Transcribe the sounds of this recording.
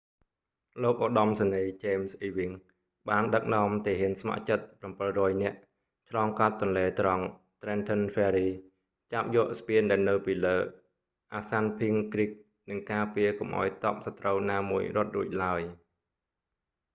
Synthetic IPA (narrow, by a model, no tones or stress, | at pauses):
loːk̚ʔoːɗɑmsaniːt͡ɕeːmsʔiːʋiŋ | ɓaːnɗək̚nŏəmt̪iːɦiənsma̰ʔt͡ɕət̪̚prɑmpɨlrɔːjnɛ̆əʔ | t͡ɕʰlɑːŋkat̪ːŏnleːt̪rɑŋ | t̪rɛːnt̪ʰənfɛːɾiː | t͡ɕap̚jɔəʔspiənɗaɛlnɨwpiːləː | ʔaːsanpʰiəŋkrik̚ | nɨŋkaːpiəkomʔa̰ɔjt̪ŏəp̚sat̪rəwnaːmuəjrŏət̪̚ruːəc̚laəj